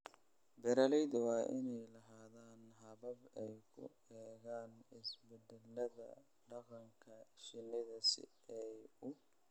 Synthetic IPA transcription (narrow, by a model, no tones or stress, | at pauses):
bɛɾɐlɛjd̪wɑːʔɪnɛjlɐɦaːðaːnɦɐβɐbɛjkʰʊ̰ | ɛːɣaːnɪsbɛd̪ɛlɐðɐ̰ | ɖɑqɑŋkʰɐʃɪnɪðɐsɪ̰ | ɛjʊ